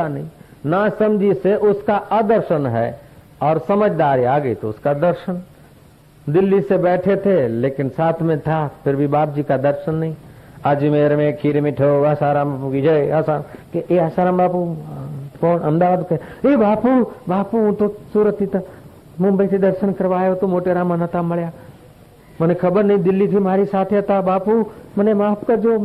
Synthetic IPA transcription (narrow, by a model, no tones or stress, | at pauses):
anɐɦĩ | nasɐmd͡ʒʱiseʔʊskaʔad̪əɾʃənɦɛ̰ː | ɔːɾsɐməd͡ʒʱd̪aːɾiaːɡəit̪oʊskad̪əɾʃən | d̪ɪlːisebɛːʈʰet̪ʰeleːkɪnsaːt̪ʰmẽt̪ʰapʰɪɾbʱibaːp̚d͡ʒikad̪əɾʃənːɐɦĩ | ad͡ʒimeːɾmẽkʰiːɾmɪʈʰoɐsaːɾãːmbapukid͡ʒɐeasakeeaːsaːɾãːmbaːpu | kɔːnɐmd̪aːʋaːd̪kɐebaːpuːbaːpuɦũt̪osuːɾət̪ʰːit̪a | mʊ̃mbəised̪ɐɾʃənkəɾʋaːjot̪omoːʈeɾamənət̪amɐɭjaː | mənexʰɐbəɾnɐɦĩd̪ɪlːit̪ʰimaːɾisaːt̪ʰeɐt̪abaːpumənemaːpʰkad͡ʒoː